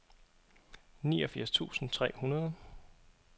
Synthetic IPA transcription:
niːɒfiɐ̰st͡sʰṵːsn̩t͡sʰʁɛ̰ːhunɐð̞ˠ

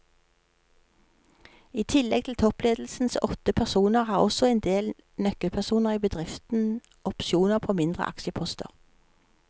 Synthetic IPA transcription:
iːt̪ʰɪlɛɡ̚t̪ʰɪl̩t̪ʰɔpleːd̪l̩sn̩sɔt̪əpʰæʁsuːnəʁhɑːʁɔsɔɛːnd̪eːl | nœkəlpʰæʁsuːnəʁiːbəd̪ʁɪft̪n̩ | ʔɔpʃuːnəʁpʰoːmɪnd̪ʁə̰ʔɑ̰kʃəpʰɔst̪ə̰ʁ

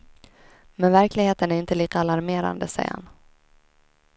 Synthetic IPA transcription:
mɛnvæɾklɪɡheːt̪ənæɾɪnt̪əliːkəalaɾmeːɾa̰nd̪əsɛ̰jha̰n

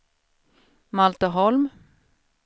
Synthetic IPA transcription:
malt̪əɦɔlm

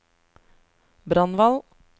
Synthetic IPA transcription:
bɾɑnʋɑl

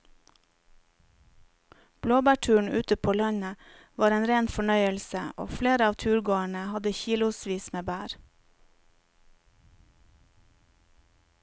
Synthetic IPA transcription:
b̥loːbæːʈʰʉːɳ̩ʉːt̪əpʰoːlœɲə | ʋɑːɾeːnɾeːnfɔɳœʏəlsəo̰ːfleːɾəɑːʋt̪ʰʉːɾɡoːəɳəhɑd̪əçiːlʊsʋiːsmeːbæːɾ

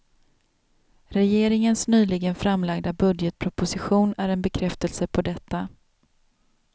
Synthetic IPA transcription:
ɾɛjeːɾɪŋənsnyːlɪɡənfɾamlaɡd̪abɵd̪jət̪̚pʰɾʊpʊsɪɧuːnæɾɛnbɛkʰɾɛft̪əlsəpʰɔd̪ɛt̪ʰːa

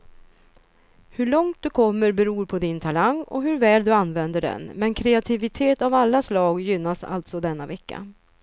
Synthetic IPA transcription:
hɵɭɔŋt̪̚d̪ɵkʰɔmːəɾbɛɾuːɾpʰɔd̪ɪnt̪ʰalaŋɔ̰ɦɵɾvɛːld̪ɵanːvɛnd̪əɖɛ̰nmɛnkʰɾɛat̪ʰɪvɪt̪ʰeːt̪avalːaslɑːɡjʏnːasa̰lt̪sɔd̪ɛnːavɛkːa̰

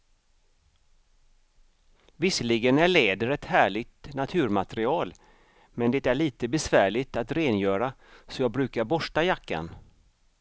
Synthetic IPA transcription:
vɪsːəlɪɡənæɭeːd̪əɾɛt̪hæːɭɪɡ̚t̪nat̪ʰʉ̟ːɾmat̪ɾɪɑːl | mɛnd̪ɛt̪æɭiːt̪əbɛsvæːɭɪt̪at̪ɾeːnjœːɾa | sɔjɑːɡ̚bɾʉ̟ːkaɾbɔʂʈajakːa̰n

